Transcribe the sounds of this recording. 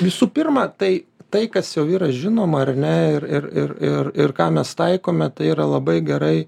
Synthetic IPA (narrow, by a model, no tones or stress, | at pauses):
ʋʲɪsuːpʲɪrmɐt̪ɐɪt̪ɐɪkɐsjɛʊiːɾɐʒʲɪnoːmɐɐrnʲɛɪrɪrɪrɪrɪrkɑːmʲɛst̪ɐɪkoːmʲɛt̪ɐɪiːɾɐlˠɐbɐɪɡʲɛɾɐɪ